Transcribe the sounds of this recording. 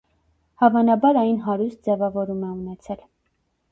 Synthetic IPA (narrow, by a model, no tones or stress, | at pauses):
hɑvɑnɑbɑɾɑjnɦɑɾust̪̚d͡zɛvɑvɔɾumɛunɛt͡sʰɛl